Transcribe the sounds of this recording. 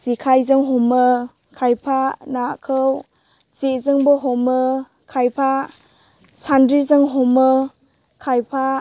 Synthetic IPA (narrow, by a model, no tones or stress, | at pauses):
z̥ikʰajzɯŋɦɔmɯ | kʰajpʰanakʰɯw | z̥ezɯŋbɯɦɔmɯ | kʰajpʰa | sandɾizɯŋɦɔmɯ | kʰajpʰa